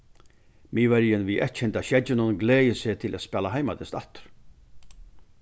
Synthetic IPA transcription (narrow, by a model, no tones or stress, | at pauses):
miːvɛɾjənʋiʔɛht̪ɕɛnt̪aɕɛd͡ʒɪnʊnɡleːjəsɪt̪ʰɪlʔæ̰t̪spɛːlaɦajmad̪ɪst̪alt̪ɾ̥